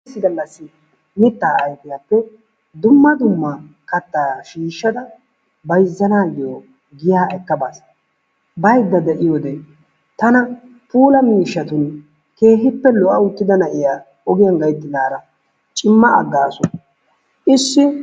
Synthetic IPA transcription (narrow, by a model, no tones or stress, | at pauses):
sːɪɡɐlːɐsːɪ | mɪt̪ːaːʔɐjpɪjapːɛ | d̪ʊmːɐd̪ʊmːa | kɐt̪ːaːʃiːʃːɐd̪ɐ | bɐjzːɐnaːɡɪjo | ɡɪjaːɛkːɐbas | bɐjd̪ːɐd̪ɛʔɪjod̪ɛ | t̪ɐnɐ | puːlɐmiːʃːɐt̪ʊn | ke̞ːɦɪpːɛlɔʔɐʊt̪ːɪd̪ɐnɐʔɪjaː | ɔɡɪjɐnɡɐjt̪ːɪd̪aːɾɐ | t͡ʃʼɪmːɐʔɐ̰ɡːaːsʊ | ʔɪsːɪ